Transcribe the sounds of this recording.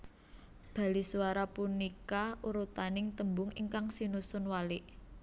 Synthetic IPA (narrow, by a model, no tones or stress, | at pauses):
b̥a̤lisuwaɾapunikauɾut̪anɪŋt̪əmbʊŋiŋkaŋsinusʊnwalɪʔ